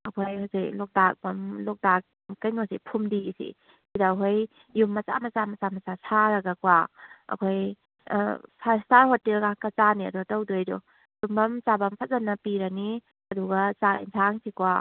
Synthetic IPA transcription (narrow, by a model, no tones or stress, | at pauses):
ɐkʰojhosiklɔk̚dak̚bɐmlɔk̚dak̚ | kɐjnosipʰumdisḭ | sidaɦoj | jumːɐt͡ʃa̰mɐt͡samɐt͡samɐt͡sasaɾɐɡɐkwaɐ̰kʰoj̰ | sʰastaɾhotːelɡakɐt͡ʃaniɐ̰duɡɐtawdojdɔ | jumbɐmt͡ʃabɐmpʰɐt̚zanːɐpiɾɐni | ɐduɡɐt͡saḭnsʰaŋsʰikwa